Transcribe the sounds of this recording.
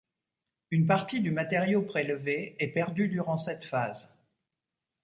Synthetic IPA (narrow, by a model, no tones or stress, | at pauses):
ynp̬aʁt̪id̪ymat̪eʁjopχelveɛpɛʁd̪yd̪yʁɑ̃sɛt̪faz